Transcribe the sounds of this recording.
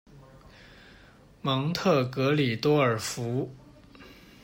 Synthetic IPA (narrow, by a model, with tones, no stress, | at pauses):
mɑ˧˥ŋt̪ʰɤ˥˩kɤ˧˥li˨˩t̪wɔ˥ə˞˨˩fu˧˥